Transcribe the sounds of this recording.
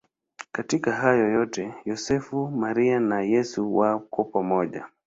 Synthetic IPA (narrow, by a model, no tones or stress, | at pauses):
katikaɦajɔjɔtɛjɔsɛfumaɾianajɛsuwakɔpamɔʄa̰